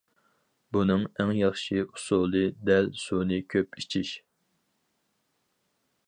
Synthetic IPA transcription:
bunɨŋɛŋjɑχʃiu̥sulˠɨd̪ɛlsunɨkʲʰøpit͡ʃʰiʃ

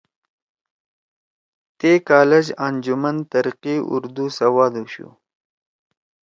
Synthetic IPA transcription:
t̪ekɑːled͡ʒand͡ʒumant̪ɐɾiqiʊ̰ɾd̪usɐwɑːd̪uɕṵ

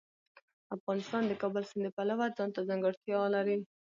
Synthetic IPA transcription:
afɣɑnɪst̪ɑnd̪əkɑbəlsɪnd̪əpalawad͡zɑnt̪azaŋɡəɽt̪jɑlaɾi

